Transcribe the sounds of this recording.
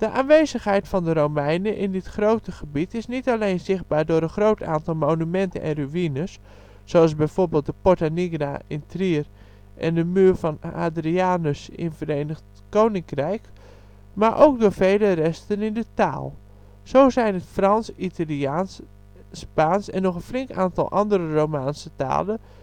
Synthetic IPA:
d̥əʔaːnʋejzəxɦɛjtfɔndəɾowmɛjnəʔɪndɪtxrowtəχəbitɪsnitalejnzɪχd̚baːɹdʊːɾənχrowtʰaːntɔlˠmownymɛntə̰nʔɛ̰nryinəsː | oɑlˠzbɛjv̥oɹbeːlˠt̚dəpɔtaniɡraʔɪntriər | ʔɛ̰ndəmyːɹfɔna̰ːdriaːnəsɪ̰nvəɾeːnəxt | kownɪŋkrɛjk | maʔo̰wk̚dʊːfeːlərɛstənɪndəta̰ːlˠ | sowzɛjnətfrɑnsitala | spaːnsɛ̰nːɔxənflɪŋkaːntɔ̰lˠʔɑndəɾəromaːnsəta̰ːlə

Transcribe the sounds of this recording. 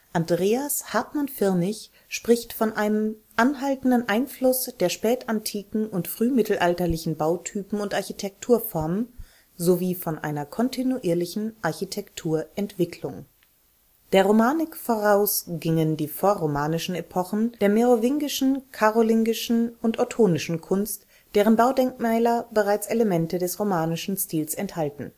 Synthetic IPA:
ʔandʁeːashaɐtmanfɪɐnɪç | ʃpʁ̥ɪçtfɔnʔaɪnəmʔanɦaltn̩dənʔaɪnflʊsd̥eːɐʃpɛːtantʰiːkŋ̩ʊntfʁ̥yːmɪtl̩ʔaltɐlɪçn̩baʊtʰyːpm̩ʊntʔaɐçitʰɛk̚tʰuːɐfɔɐm | zoviːfɔnʔa̰ɪnɐkʰɔntʰinuʔiːɐlɪçn̩ʔaɐçitʰɛktʰuːɐʔɛntv̥ɪkʰlʊŋ | d̥eːɐʁomaːnɪkfoʁaʊsɡ̥ɪŋəndiːfoːɐʁomaːnɪʃn̩epʰɔχn̩d̥eːɐmeʁovɪŋɡɪʃn̩kʰaʁolɪŋɡɪʃn̩ʊntʔɔtʰoːnɪʃn̩kʰʊnst | d̥eːʁ̞ənbaʊdɛŋkmɛːlɐbəʁaɪt͡seləmɛntədɛsʁomaːnɪʃn̩stiːlsɛnthaltn̩

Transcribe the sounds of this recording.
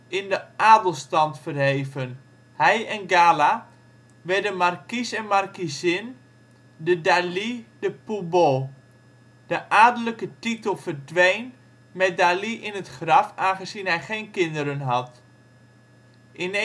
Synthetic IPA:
ɪndəaːdəlˠstɑntfərɦejvən | hɛjɛnɡaːla | ʋɛrdənmarkisɛnmarkisɪn | dədalidəpubo | d̥əʔaːdələkətitəlˠfərdʋejn | mɛt̚daliʔɪnətχrɑfaːnχəzinɦɛjχeːnkɪndəɾənɦɑt | ʔɪn

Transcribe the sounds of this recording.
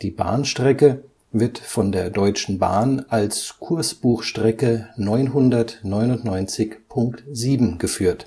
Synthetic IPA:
d̥iːba̰ːnʃtʁ̥ɛkə | vɪɐtfɔndeːɐdɔʏt͡ʃn̩ba̰ːnʔalskʰʊɐsb̥uːxʃtʁ̥ɛkənɔʏnɦʊndɐtnɔʏnʊntnɔʏnt͡sɪçpʰʊŋktziːbm̩ɡəfyːɐt

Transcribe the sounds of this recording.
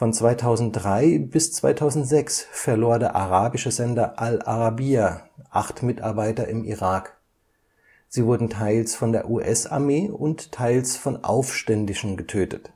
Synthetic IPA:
fɔnt͡sv̥aɪtʰaʊzn̩t̚d̥ʁaɪbɪst͡sv̥a̰ɪtʰaʊzn̩tz̥ɛksfɛɐloːɐdeːɐʔaʁaːbɪʃəzɛndɐʔalaʁabiːaʔaχtmɪta̰ɐbaɪtɐʔɪmḭʁaːk | z̥iːvʊɐdn̩tʰaɪlsfɔndeːɐʔuːʔɛsa̰ɐmeːʊnttʰːaɪlsfɔnʔa̰ʊfʃtɛndɪʃn̩ɡətʰøːtət

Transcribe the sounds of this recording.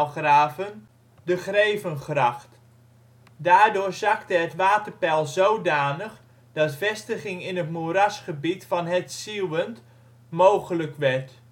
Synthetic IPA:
χraːvən | dəχrejvənχrɑχt | daːɹdʊːɹzɑktəɦətʋaːtərpɛlˠzowdaːnəχ | d̥ɑtfɛstəχɪŋɪnətmuɾɑsχəbitfɑnɦətsiwənt | mowχələkʋɛɹt

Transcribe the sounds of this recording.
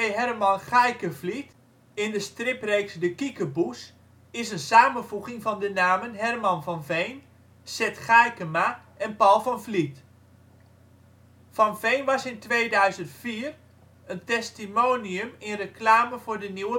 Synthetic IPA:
eɦɛrmɑnχajkəvlit | ɪndəstrɪprejksdəkikəbus | ɪsənsaːmənvuɣɪŋvɑndənaːmənɦɛrmɑnvɑnvejn | sɛtχajkəma | ɛnpɔlˠfɑnflit | fɑnvejnʋɑsɪntʋeːdœɥzəntfiːər | əntɛstimowniəmɪnrəklaːməvʊːrdəniwə

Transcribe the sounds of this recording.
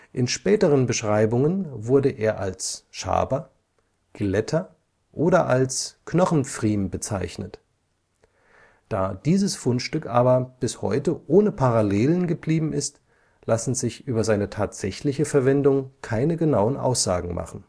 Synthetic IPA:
ʔɪnʃpɛːtəʁənbəʃʁ̥aɪbʊŋənvʊɐdəʔeːɐʔalsʃa̰ːbɐ | ɡ̥lɛtʰɐ | ʔoːɾɐʔalsknɔχn̩fʁ̥iːmbət͡sa̰ɪçnət | d̥aːd̥iːzəsfʊnʃtʏkʔaːbɐb̥ɪshɔ̰ʏtəʔoːnəpʰaʁaleːlənɡəbliːbm̩ɪst | lasn̩zɪçʔyːbɐzaɪnətʰaːtz̥ɛçlɪçəfɛɐvɛndʊŋkʰaɪnəɡənaʊənʔa̰ʊsz̥a̰ːɡŋ̩mʔa̰χn̩

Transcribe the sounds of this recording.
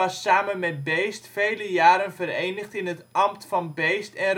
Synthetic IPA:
ɑsːaːmənmɛt̚bejstfejləjaːɾənvəɾejnəχtɪnɦətʔɑmtfɑnbejstɛnr

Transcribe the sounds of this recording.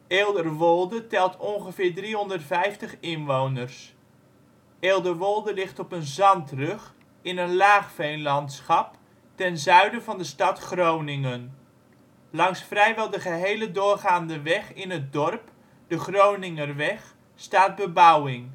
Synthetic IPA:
eːlˠdərʋɔlˠdətɛlˠtʰɔnχəvɪːɹdriɦɔndərtfɛjftəχɪnʋownərs | eːlˠdərʋɔlˠdəlɪχtɔpənzɑntrɵχ | ɪnənlaːχfejnlɑntsχɑp | tɛnzœɥdəvɑndəstɑtχrownɪŋən | lɑŋsfrɛjʋɛlˠdəχəɦejlədʊːrχaːndəʋɛχɪnət̚dɔrp | d̥əχrownɪŋərʋɛχ | staːd̚bəbɑwɪŋ

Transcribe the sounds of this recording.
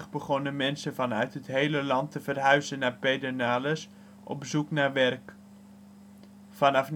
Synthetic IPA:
χbəχɔnəmɛnsəvɑnœɥtɦətɦejləlɑntəvərɦœɥzənːaːpejdənaːləs | ʔɔ̰bzuknaːɹʋɛrk | fɑnɑfn

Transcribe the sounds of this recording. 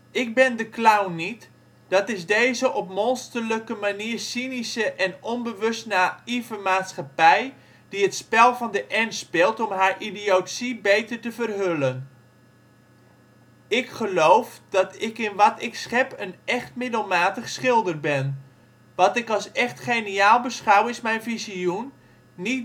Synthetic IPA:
ɪk̚bɪndəklawnit | d̥ɑtɪzdejzəʔɔpmɔnstərləkəmaniːrsinisəʔɛnɔnbəʋɵstnaivəmaːtsχapɛj | d̥iətspɛlˠvɑndəʔɛnspɪlˠtɔmɦaːɹʔidiowtsibejtərtəvərɦølən | ɪkχəlowfd̥ɑtɪkɪnʋɑtɪksχɛpənɛχtmɪdəlˠmaːtəχsχɪlˠdərbɛn | ʋɑtɪkɑlˠsɛχtχejniaːlˠbəsχawɪsmɛjnfiziunː | i

